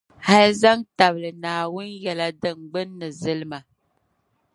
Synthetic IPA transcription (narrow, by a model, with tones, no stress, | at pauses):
ha˦lza˦ŋta˨blɨ˨naː˨wʊ˦njɛ˨la˦dɨ˦ŋɡ͡bɨ˦nːɨ˨zɨ˦lɨ˦ma˨